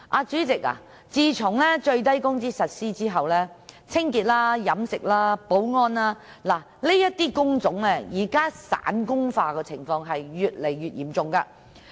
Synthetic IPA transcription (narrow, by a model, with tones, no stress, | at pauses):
ʔaː˧t͡ʃyː˨˥t͡sɪ˨k̚a̰ː˨ | t͡siː˧t͡ʃʰʊ˨˩ŋlɛː˥t͡ʃɵ˧ɥt̪̬ɐ˥jkʊ˥ŋt͡siː˥sɐ˨t̚siː˥t͡siː˥ɦɐ˨wlɛː˥t͡sʰɪ˥ŋkiː˨˩t̚laː˥jɐ˨˥msɪ˨k̚laː˥po˨˥wŋɔː˥nlaː˥ | laː˨˩ | le˥jɐ˥t̚t̪iː˥kʊ˥ŋt͡sʊ˨˥ŋlɛː˥jiː˨˩kaː˥sa̰ː˨˥nkʊ˥ŋfaː˧kɛː˧t͡sʰɪ˨˩ŋfɔː˧ŋɦɐ˨jɥyː˨t̚le˨˩jyː˨t̚jḭː˨˩mt͡sʊ˨ŋkaː˧